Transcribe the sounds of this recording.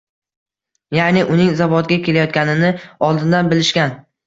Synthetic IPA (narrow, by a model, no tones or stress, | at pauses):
janɪʔʊnɪŋzavɒt̪ɡʲakʲʰe̞lajɒt̪̚kʲanɪnɪɒlˠd̪ɪnd̪anbɪlɪʃkʲan